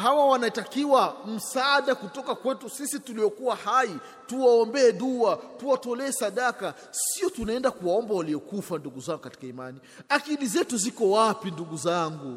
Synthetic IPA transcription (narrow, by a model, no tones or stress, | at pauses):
hawawanaitakiwam̩saːɗakutɔkakwɛtusisituliɔkuwahai | tuwaɔmbɛɛɗuatuwatɔlɛɛsaɗaka | siɔtunaɛndakuwaɔmbawaliɔkufanduɡuzaŋɡukati̥kaima̰ni | akilizɛtuzikɔwapinduɡuzaŋɡu